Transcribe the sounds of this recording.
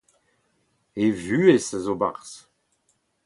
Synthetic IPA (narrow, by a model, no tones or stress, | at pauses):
evyːesazoba̰ʁs